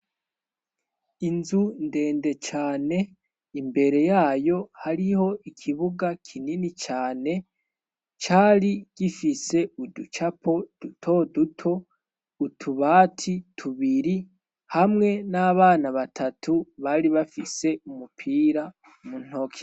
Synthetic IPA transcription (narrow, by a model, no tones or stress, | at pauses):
inzunde̞ːnde̞t͡ʃaːne̞ | imbe̞ɾe̞jaːjo̞haɾiho̞ʔikʰiβuɡakʰininit͡ʃaːne̞ | t͡ʃaːɾiɡ̥ifise̞udut͡ʃapʰo̞d̥utʰo̞dutʰo̞ | utʰuβaːtʰitʰuβiɾi | hamŋe̞naβaːnaβatʰatʰuβaɾiβafise̞umupʰiːɾa | mun̥o̞kʰi̥